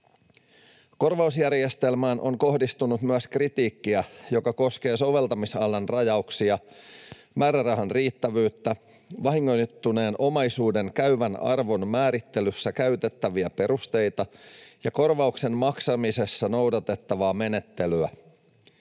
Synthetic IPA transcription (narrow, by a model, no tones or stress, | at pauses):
ko̞rʋɑusjærje̞st̪e̞lmæːnʔo̞ŋko̞ɦdist̪unut̪myæskrit̪iːkːiæjo̞kɑko̞ske̞ːso̞ʋe̞lt̪ɑmisɑlːɑnrɑjɑuksiɑ | mæːɾærɑɦɑnriːt̪ːæʋyːt̪ːæ | ʋɑɦiŋːojt̪ːune̞ːnʔo̞mɑjsuːde̞ŋkæyʋænɑ̰rʋo̞nmæːɾit̪ːelysːækæyt̪e̞t̪ːæʋiæpe̞ɾust̪e̞jt̪ɑjɑko̞rʋɑukse̞mmɑksɑmise̞sːɑno̞wdɑt̪e̞t̪ːɑʋɑːme̞ne̞t̪ːe̞lyæ